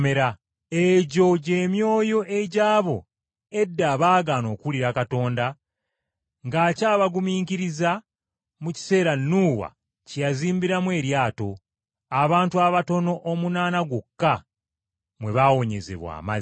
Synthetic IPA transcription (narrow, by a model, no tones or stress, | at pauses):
me̞ɾa | e̞ɟo̞ɟe̞ːmjo̞ːjo̞ʔeɟaːβo̞̰ | e̞dːaːβaːɡano̞ːkuliɾakato̞ːnda | ŋɡaːcaːβaɡumiːŋkiɾiza | muci̥se̞ːɾanːuːwa̰ | cjaziːmbiɾamwe̞ːɾjaːto̞ | aβaːntuwaβato̞no̞ʔomunaːnaɡwokːa | mwe̞βawo̞ɲe̞̰ze̞̰βwa̰ːma̰z